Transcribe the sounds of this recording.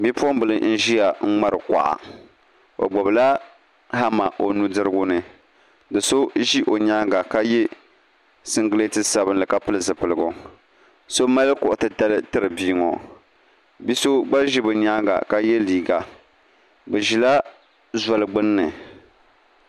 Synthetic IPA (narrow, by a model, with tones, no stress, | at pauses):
bi˦pu˦ɔ˦m˦bɨ˨lɨ˨n̩˦ʒi˦ja˨ŋ̩˦ŋ͡ma˦ɾɨ˨kʷa̰˨ʔa̰˨ | o̰˨ɡ͡bɔ˨bɨ˨la˦ | ha˦ma˨ʔo˨nu˦dɨ˦ɾɨ˦ɡʊ˦nɨ˨ | dɨ˨so˦ʒi˦ʔo˨ɲa˦ŋɡa˨ka˦jɛ˦ | sɨ˦ŋɡɨ˦le˦tɨ˦sa˦bɨ˦nlɨ˨ka˦pɨ˦lɨ˨zɨ˨pɨ˨lɨ˨ɡʊ˨ | so˦ma˦lɨ˦kʊ˨ʔʊ˨tɨ˦da˦lɨ˦tɨ˦ɾɨ˨biː˦ŋo̰˨ | bi˦so˦ɡ͡ba˦ʒi˦bɨ˨ɲa˦ŋɡa̰˨ka˦jɛ˦liː˨ɡa˨ | bɨ˨ʒi˨la˦ | za˨lɨ˨ɡ͡bɨ˦nː˦ɨ˨